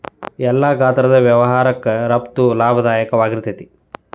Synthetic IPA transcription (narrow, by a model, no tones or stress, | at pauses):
ɛlːaːɡʱaːt̪ɐɾɐd̪ɐʋjɐʋɐɦaːɾɐkːɾɐpt̪ulaːbʱɐd̪aːjɐkɐʋaːɡiɾt̪ɐt̪i